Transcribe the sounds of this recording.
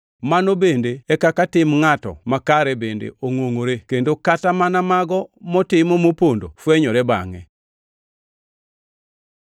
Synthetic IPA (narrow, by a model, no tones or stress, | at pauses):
manobendeɛkakatɪmŋatɔ̰makaɾɛbendḛʔoŋwoŋoɾekendokatamanamaɡɔmɔtɪmɔmopondo̰fweɲɔɾɛba̰ŋɛ̰